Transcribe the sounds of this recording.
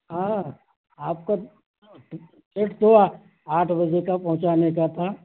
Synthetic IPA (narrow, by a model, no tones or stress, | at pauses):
ɦãː | aːp̚ka | t͡ʃeʈt̪oa | aːʈʰbɐd͡ʒekapɐ̃ɦʊ̃t͡ʃaːnekat̪ʰaː